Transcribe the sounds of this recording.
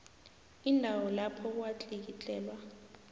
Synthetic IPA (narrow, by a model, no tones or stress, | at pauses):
indʱawɔlapʰɔwat͡ɬʼik̬it͡ɬʼɛːlwa